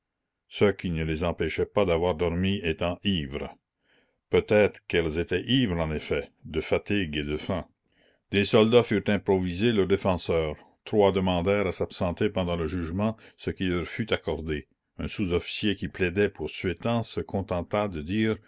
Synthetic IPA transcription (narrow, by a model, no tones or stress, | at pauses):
səkʰinəlezɑ̃pɛʃɛpad̪avwaʁd̪ɔʁmiet̪ɑ̃ʔiːvɾə | pøt̪ɛt̪ʁəkɛlzet̪ɛʔivʁɑ̃nefɛd̪əfat̪iɡed̪əfɛ̃ | d̪esɔld̪afyːʁt̪ɛ̃pɾɔvizelœʁd̪efɑ̃ːsœːʁ | t̪ɾwad̪əmɑ̃d̪ɛːʁasapsɑ̃t̪epɑ̃d̪ɑ̃ləʒyːʒmɑ̃səkilœʁfyt̪akɔʁd̪e | œ̃suzɔfi̥sjekiplɛd̪ɛpuʁsɥet̪ɑ̃səkʰɔ̃t̪ɑ̃t̪ad̪əd̪iːʁ